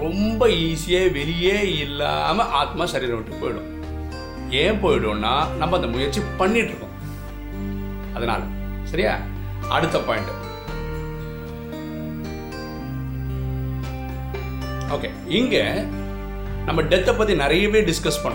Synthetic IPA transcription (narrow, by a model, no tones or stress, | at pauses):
ɾɔmbɐiːsɪjeːʋɛɾɪjeːɪlːa̰ːmɐʔaːt̪maːsɐɾiːɾɐʋɪʈːɯpoːjɪɽʊ̰̃ | eːpoːjɪɽʊ̃nːaːnɐmːɐɐnd̪ɐmʊjɐɾt͡ʃːipɐɳːɪʈːɾɯkːʊ̰̃ | ɐðɐna̰ːlɐ̰ | sɐɾɪja̰ː | ɐ̰ɽɯt̪ːɐpaːɪɳʈɯ | oːkḛːɪŋɡe | nɐmːɐɖɛt̪ːɛpːɐt̪ːinɪɾɐjɐʋeːɖɪskɐspɐɳːʊ̃